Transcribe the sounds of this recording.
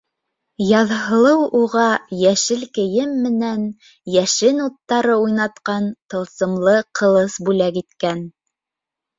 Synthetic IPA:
jɑðɦɤ̆lˠɤwuʁɑjæʃɘlkɘ̆jɘmːɘ̆næn | jæʃɘnut̪ːɑɾɤujnɑt̪qɑnt̪ɤ̆lˠsɤ̆mlˠɤqʰɤ̆lˠɤsbʉlækit̪kæn

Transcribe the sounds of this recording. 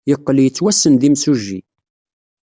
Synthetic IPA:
jəqːəljət͡sːwæsənðimsuʒːḭ

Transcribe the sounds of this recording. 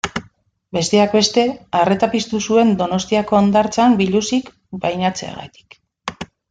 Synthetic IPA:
be̞st̪e̞akbe̞st̪e̞aret̪apist̪usue̞nd̪o̞no̞st̪iako̞and̪aɾt͡sambiʎusik | bajnat͡se̞̰a̰ɣa̰t̪i̥k

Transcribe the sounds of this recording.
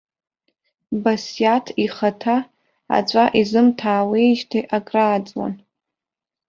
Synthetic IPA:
basjatʰiχatʰa | a̰t͡ɕʷʼaʔizɨmtʰaːwejʒtʰiʔakʼraːd͡zʼwa̰n

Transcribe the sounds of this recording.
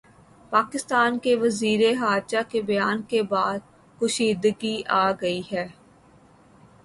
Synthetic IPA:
paːkɪst̪aːnkeʋɐziːɾeɦaːɾt͡ʃakebɐjaːnkebaːd̪̚ | kʊʃiːd̪əɡiʔaːɡɐiɦɛː

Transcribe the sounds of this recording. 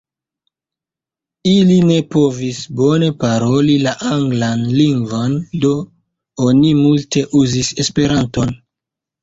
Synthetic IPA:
iline̞po̞visbo̞ne̞paɾo̞lilaʔaŋɡlanliŋɡvo̞ndo̞ | o̞nimulte̞ʔuzise̞spe̞ɾanto̞n

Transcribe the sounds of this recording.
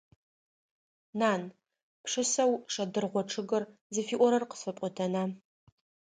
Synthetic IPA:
naːn | pʰʂɨsɐwʂɐdɨrʁʷɔʈ͡ʂʰɨɡɐrzɨfiːʔʷɔɾɐrqə̥sɨpʷʼʊtʰɐna

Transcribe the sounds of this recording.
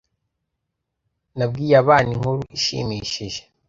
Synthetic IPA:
nabɡiːjaβaːniŋhuɾuʔiʃḭmiʃiʒe

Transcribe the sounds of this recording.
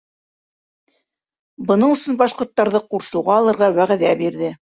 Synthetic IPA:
bɤ̆nɤɴɵ̆sɵnbɑʃqŏɾt̪ːɑɾðɤquɾʃɤ̆wʁɑːlˠɤ̆ɾʁɑwæʁæðæbiɾðɘ

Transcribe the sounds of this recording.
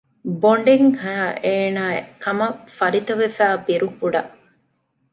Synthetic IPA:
boɳɖeŋhɐɦɐʔeːnaːkɐmɐfɐɾit̪ɐʋefæːbiɾukuɖɐʔ

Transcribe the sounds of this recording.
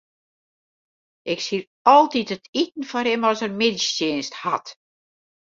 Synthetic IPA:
ʔɪksir | ɔlˠtitətitn̩fɔrɪmɔsərmɪdijeːnsthat

